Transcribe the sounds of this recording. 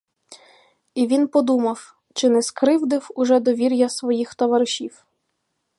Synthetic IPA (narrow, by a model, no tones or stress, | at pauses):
iʋʲinpɔd̪umɐw | t͡ʃɪnɛskɾɪwd̪ɪwʊʒɛd̪ɔʋʲiɾʲjɐsʋɔjixt̪ɔʋɐɾʃʲiw